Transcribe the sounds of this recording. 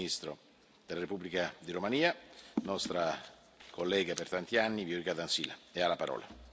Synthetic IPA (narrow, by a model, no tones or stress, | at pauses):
ist̪ɾo̰ | d̪̥elːaɾepubːlikad̪iɾomaniːanɔst̪ɾa | kʰolːɛːɡapert̪ant̪ianːiviuɾikad̪ansḭːlaealːapaɾɔ̰ːla